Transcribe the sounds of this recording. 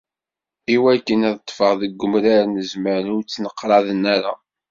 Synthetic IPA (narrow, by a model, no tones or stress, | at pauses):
iwækːənæðt̪ˤːfəʁðəɡːʊmɾaɾnəzməɾʊt͡sːnəqːɾˤɑðənːæɾa̰